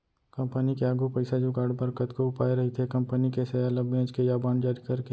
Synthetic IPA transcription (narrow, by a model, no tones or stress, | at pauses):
kɐ̃mpənikeaːɡupɐɪsad͡ʒukaːɾɖbɐɾkət̪koʊpaːeɾɐɦit̪ʰekɐ̃mpənikesealəbẽːd͡ʒkejaːbaːnd͡ʒaːɾikɐɾke